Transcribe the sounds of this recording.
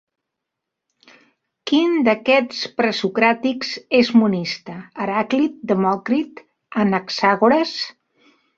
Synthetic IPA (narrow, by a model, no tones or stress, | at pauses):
kind̪əkɛt͡spɾəsukɾat̪iksezmunist̪əːɾaklit̪̚d̪əmɔkɾit̪ | ənəksaɣuɾəs